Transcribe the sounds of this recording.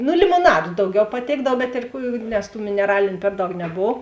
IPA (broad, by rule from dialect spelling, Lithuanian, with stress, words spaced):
nʊ lʲɪmoːˈnɑːdʊ ˈdɐʊˌɡʲɛʊ pɐˈtʲeːɡdɐw bʲɛt ɪr ˈkuː nʲɛs tuː mʲɪnʲɛˈrɑːlʲɪnʲʊ ˈpʲɛr ˌdɐʊk nʲɛˈboːw